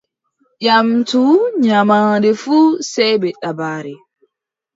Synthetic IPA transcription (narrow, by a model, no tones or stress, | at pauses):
ʔamtuɲamadɛfuːsɛjbɛɗabaːɾɛ